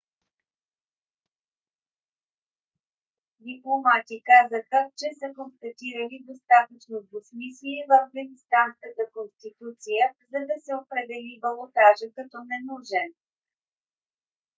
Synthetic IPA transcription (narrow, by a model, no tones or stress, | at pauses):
d̪iplˠomat̪ikazəxət͡ʃɛsəkonst̪ɐt̪iɾəlid̪ost̪at̪ət͡ʃnob̪osmisliivəfɡəzʲist̪anskət̪əkonst̪it̪ut̪sijəzɐd̪ɐsɛopɾɛd̪ɛlibəlˠot̪aʒəkɐt̪ɔnɛnuʒɛn